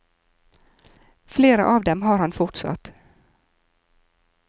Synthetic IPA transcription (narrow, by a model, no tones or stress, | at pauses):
fleːɾa̰ʔavd̪ɛmɦaɾhanfʊʈʂa̰t̪ː